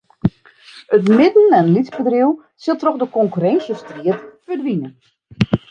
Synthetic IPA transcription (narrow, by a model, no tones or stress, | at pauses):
ətmɪdn̩ɛnlitsbədrɪw | sɪlˠtrɔxdəkɔŋkyrɛnsjəstriətfədʋinə